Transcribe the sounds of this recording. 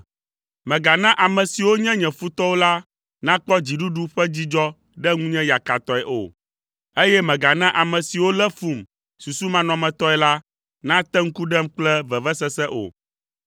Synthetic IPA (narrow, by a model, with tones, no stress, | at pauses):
mɛ̃˨ɡa˨nã˦ʔa˨mɛ̃˨si˨wo˦ɲɛ̃˦ɲɛ̃˨fu˦t̪ɔ˦wo˦la˦ | nã˦k͡pɔ˦d͡ʑi˨ɖu˦ɖu˦ɸɛ˦d͡ʑi˦d͡ʒɔ˦ | ɖɛ˦ŋũ˦ɲɛ̃˦ja˨ka˨t̪ɔ˦ɛ˨ʔo̰˨ | e˦jɛ˦mɛ̃˨ɡa˨nã˦ʔa˨mɛ̃˨si˨wo˦lɛ˦fu˨m | su˨su˦mã˦nɔ̃˨mɛ̃˨t̪ɔ˦ɛ˨la˦ | nã˦t̪ɛ˦ŋ̩˦ku˦ɖɛ˦mk͡plɛ˦vɛ˨vɛ˦sɛ˦sɛ˦ʔo̰˨